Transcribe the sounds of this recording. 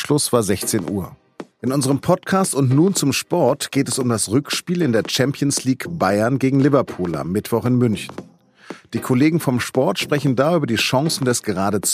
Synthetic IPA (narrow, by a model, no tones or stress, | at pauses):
ʃlʊsv̥aːɐzɛçt͡seːnʔuːɐ | ʔɪnʊnzəʁəmpʰɔtkʰaːstʊntnuːnt͡sʊmʃpɔɐtɡ̥eːtɛsʊmdasʁʏkʃpiːlɪndeːɐt͡ʃɛmpʰjənsliːkb̥aɪɐnɡeːɡŋ̩lɪvɐpʰuːla̰mːɪtv̥ɔχɪnmʏnçn̩ | d̥iːkʰoleːɡŋ̩fɔmʃpɔɐtʃpʁ̥ɛçn̩daːyːbɐdiːʃɑ̃ŋsn̩dɛsɡ̥əʁ̞aːɾət͡s